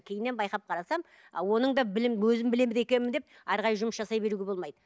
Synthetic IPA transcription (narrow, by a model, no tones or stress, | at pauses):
kʲʰejɪnːe̞nbɑjqɑp̚qʰɑɾɑsɑm̰ | wo̞nəɴd̪ɑbɪlɪmwɵzɪmbɪle̞mɪd̪e̞kʲe̞nɪmɪnd̪e̞p̚ | ɑɾʁɑɾjʒʊməsʒɑsɑjbe̞ɾuɡʲe̞bo̞lˠmɑjd̪ə